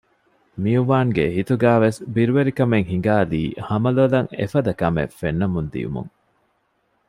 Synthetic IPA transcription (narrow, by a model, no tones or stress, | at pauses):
mijuʋaːŋɡeɦit̪uɡæːʋesbiɾuʋeɾikɐmeŋhiŋ̆ɡaːliːhɐmɐlolɐŋḛfɐd̪ɐkɐmḛfenːɐmund̪ḭjṵmṵŋ